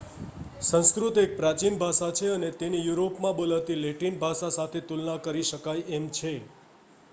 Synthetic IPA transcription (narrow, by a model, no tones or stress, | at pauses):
sə̃ñskɾut̪ek̚pɾat͡ʃinbʱaʃat͡ʃʰeənet̪enijuɾopmãbolaʋt̪ileʈinbʱaʃasat̪ʰet̪ulnakəɾiʃəkajemt͡ʃʰe